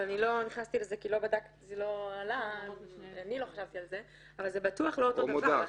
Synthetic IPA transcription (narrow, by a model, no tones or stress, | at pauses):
anilo̞niχnast̪ilezekilo̞badak | zelo̞ala | anilo̞χaʃavt̪ialze̞ | avalzebat̪uaχloot̪omoa